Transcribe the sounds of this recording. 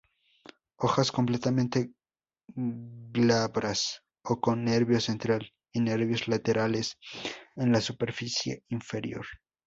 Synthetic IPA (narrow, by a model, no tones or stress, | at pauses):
o̞xasko̞mple̞t̪amẽnt̪e̞ | ɡlaβɾʔas | oko̞nːeɾβjo̞se̞nt̪ɾal | ine̞ɾβjo̞zlat̪e̞ɾale̞senlasupe̞ɾfisje̞̰iɱfe̞ɾjo̞̰ɾ